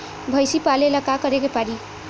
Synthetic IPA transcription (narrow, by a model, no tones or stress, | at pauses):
bʱʌjsipaleləkakʌɾekepaɾi